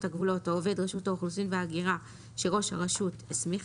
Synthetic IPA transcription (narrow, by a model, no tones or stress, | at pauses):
thaɡvulo̞taove̞dʁeʃutauχlusimveaɡiʁa | ʃe̞ʁo̞ʃha̰ʁeʃuthesmiχ